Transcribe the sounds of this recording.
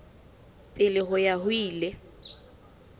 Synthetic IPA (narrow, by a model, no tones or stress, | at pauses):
pʼɪlɪɦʊjahʊiːlɛ